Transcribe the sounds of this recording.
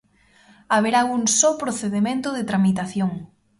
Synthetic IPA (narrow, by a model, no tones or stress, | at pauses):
aβ̞eɾauŋsopɾoθeðemẽnt̪ʊðet̪ɾamit̪aθjoŋ